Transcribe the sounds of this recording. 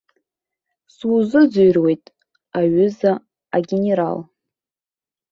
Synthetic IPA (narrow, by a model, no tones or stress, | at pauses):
suzɨd͡zɨjrwe̞jtʼ | aɥʏza | aɡʲene̞ɾa̰l